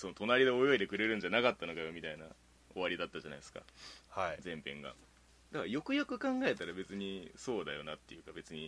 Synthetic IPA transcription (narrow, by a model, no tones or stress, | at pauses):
so̞not̪o̞naɾʲid̪eo̞jo̞id̪e̞kɯ̟ɾe̞ɾɯ̃ɲ̟d͡ʑanakat̪ːano̞ɡajomʲit̪aina | oβaɾʲid̪at̪ːaʑanaisɨ̥ka̰had͡zẽ̞mpẽ̞̰ŋɡa̰ | d̪akajo̞kɯ̟jokɯ̟kãŋɡae̞t̪aɾabe̞t͡sɨɲ̟iso̞ːd̪ajo̞nat̪ːe̞̰jɯ̟kabe̞t͡sɨɲ̟i